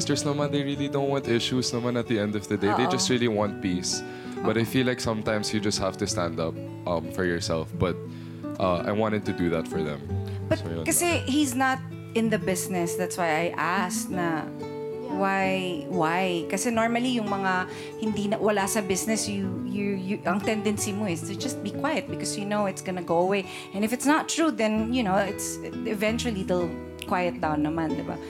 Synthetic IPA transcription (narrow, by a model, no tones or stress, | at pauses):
st̪ə˞snɐmɐ̃nd̪ejɹilid̪õʊnwɑ̃nt̪ʔɪʃusnɐmãnɐt̪̚ðiɛ̃nd̪ɔvðəd̪eejd͡ʒɐst̪ɹiliwɑ̃nt̪̚pis | bɐt̪ajfilːaɪksʌ̃mt̪ãɪ̃msjɨd͡ʒɐst̪̚hæft̪ust̪æ̃nd̪ʌp̚ | ʔʌ̃mfɔɹjɔɹsɛlfb̥ɐt̪̚ | ʔʌʔa̰jwɑ̃ntɨd̚t̪ud̪uðæt̪fɔɹðɛ̰̃mb̥ɐtkɐsɛhiznɐt̪̚ | ɪ̃nðɐbɪsnɛsd̪æt̪swajajʔask̚nɐ | wajwajkɐsɛnoɹmɐlijʊŋmɐŋa | hɪnd̪inɐwɐlasɐbɪsnɛsjujʊjʔɐŋt̪ɛ̃nd̪ɛnsimoɪst̪ɨd͡ʒɐst̪̚bikwajɐt̪̚bɪkɔsjunowɪt̪sɡɐnɐɡoʊɐwej | ʔɛ̃nɪfɨt̪snət̪ːɹuðɛ̃njʊnoʊɪt̪sɪvɛ̃nt͡ʃʊɐlid̪ɛlˠ | kwajɐt̪̚d̪awnːɐmãnd̪ɪba̰